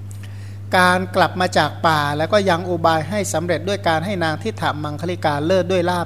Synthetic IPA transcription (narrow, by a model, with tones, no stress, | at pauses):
kaː˧nkla˨˩p̚maː˧t͡ɕaː˨˩k̚paː˨˩lɛː˦˥wkɔː˥˩ja˧ŋʔuː˧baː˧jɦa˥˩jsa˩˦mɾe˨˩t̪̚du˥˩əjkaː˧nɦa˥˩jnaː˧ŋt̪ʰi˥˩t̪ʰːa˨˩ma˧ŋkʰa˧li˦˥˩kaː˧lɤː˥˩t̪̚du˥˩əjlaː˥˩